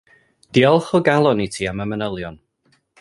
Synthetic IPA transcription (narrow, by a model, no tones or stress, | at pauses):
d̥iɔlˠχɔɡalˠɔnitʰiːaməmənəlˠjɔn